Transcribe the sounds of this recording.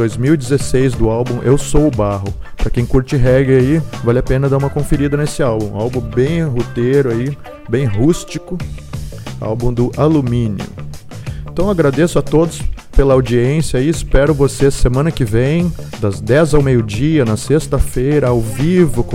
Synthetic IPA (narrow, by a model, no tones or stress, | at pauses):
ojzmiwid͡ʒɪzesejzd̪ʊawbũʔewsowʊbaɦʊ | pɾɐkẽj̃kuɾt͡ʃɪɦɛɡɾɪaivalɪapẽnɐd̪aũmɐkõfeɾid̪ɐnesɪawbũawbũbẽj̃ɦot̪eɾʊai | bẽj̃ɦust͡ʃikʊ | a̰wbũd̪ʊʔalumĩnḭʊ̰ | ẽt̪ɐ̃w̃aɡɾad̪esʊat̪od̪ʊs | pelɐawd͡ʒiẽsjɐiɪspɛɾʊvosesemɐ̃nɐkɪvẽj̃d̪ɐzd̪ɛzawmejʊd͡ʒiɐnɐsest̪ɐfejɾɐawvivʊk